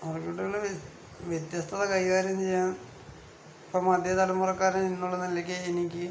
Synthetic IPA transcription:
orikːuʈːuɣɐɭ | ʋjet̪jɐst̪ʰɐðɐkɐjiɣaːɾjɐmt͡ɕejːaːn | pomɐd̪ʱjɐt̪ɐlɐmːurɐkːaːɾɐinːuɭːɐnɐlːɐk̬ʲːeenikʲːɨ

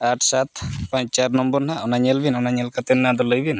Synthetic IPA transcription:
aʈʰsat̪paɲt͡ʃaɾnɔmbɔɾnaʔɔnaɲelbinɔnaɲelkat̪enːad̪ɔlojbin

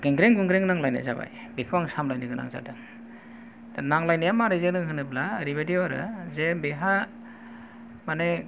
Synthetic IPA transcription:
ɡeŋɡɾeŋɡɯŋɡɾeŋnaŋlajna̰zaba̰j | bikʰɯwaŋsamlajnɯɡɯna̰ŋza̰dɯŋ | naŋlajnijamaɾɯzenɯŋɦɯnɯplaːɾiβadiaɾɯ̰zebeɦa | mane

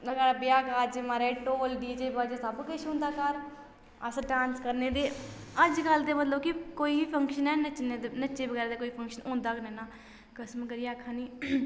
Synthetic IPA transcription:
nəɡɛːɾabɪjaːkaːd͡ʒɪmaːɾeːʈoːlɖiːd͡ʒeːbaːd͡ʒeːsəbkɪʃʰɦʊ̃ːnd̪aːkəɾ | əsəɖãːnskəɾneːd̪eː | əd͡ʒɡəld̪eːmət̪ləbkɪkoːiːpʰəŋkʃənɛːnət͡ʃned̪nət͡ʃeːʋəɡɛːɾːd̪eːkoːiːpʰəŋkʃənõːnd̪aːkneːnaː | kəsəmkəɾijeːkʰãːniː

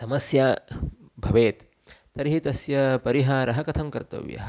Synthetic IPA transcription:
sɐmɐsjaː | bʱɐʋeːt̪ː | ɐɾɦit̪ɐsjɐpɐɾiɦaːɾɐɦɐkɐt̪ʰɐmkɐɾt̪ɐ̰ʋjɐ̰ɦɐ

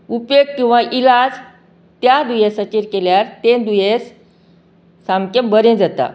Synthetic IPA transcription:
upjoɡ̚kĩw̃ʋaʔilad͡z | t̪jad̪ujesət͡ɕeɾkeljaɾt̪end̪ujes | samkembəɾẽd͡zat̪a̰

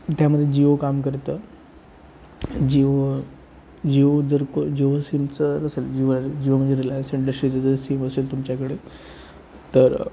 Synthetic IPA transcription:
t̪jaməd̪ʱːjed͡ʑiʋokamkəɾt̪ə | d͡ʑiʋo | d͡ʑiʋod͡zəɾkod͡ʑiʋəsimt͡səɾəseld͡ʑiʋəlaɾed͡ʑiʋəmənd͡zeɾilajsiɳɖəsʈɾit͡səd͡zəɾsiməseːlt̪umt͡ɕjakəɽe | t̪əɾ

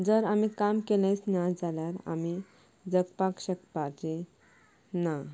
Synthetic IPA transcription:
d͡zəɾamikamkelə̃jt͡snad͡zaljaɾa̰mi | d͡zəkpakɕəkpaɾd͡ʑe | na

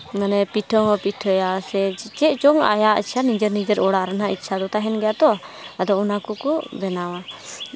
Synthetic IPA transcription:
manɛpiʈʰɔŋɔpiʈʰɔjasɛt͡ʃɛt͡ʃɔŋa̰jaʔt͡ʃʰanid͡ʒəɾnid͡ʒəɾɔɽaʔɾanɦaitːt͡ʃʰad̪ɔt̪aɦɛnɡɛjat̪ɔad̪ɔɔnakɔkɔbɛnawa

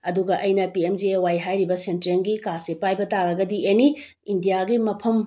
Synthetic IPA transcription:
ɐduɡɐʔɐjnɐpiemd͡ʒiewajɦajɾibɐsentɾenɡikasepajbɐtaɾɐɡɐdiʔeni | indijaɡimɐpʰɐm

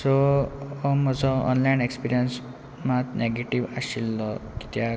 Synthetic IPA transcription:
sɔɔmɔd͡zɔɔ̰nlainekspiɾijəns | mat̪neɡeʈiʋasilːɔki̥t̪ja

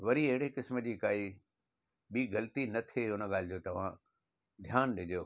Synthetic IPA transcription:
ʋɐɾiɐɦɪɽekɪsmə̆d͡ʑiːkaːi | ɓiːɣɐlət̪inɐt̪ʰeʊnə̆ɠaːlɪd͡ʑoːt̪ɐʋ̤ã | d̪ʱjaːnɗɪd͡ʑjoː

